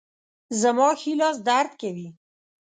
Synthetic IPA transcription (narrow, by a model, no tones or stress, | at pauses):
zamɑxilɑz̬d̪aɾd̪kewi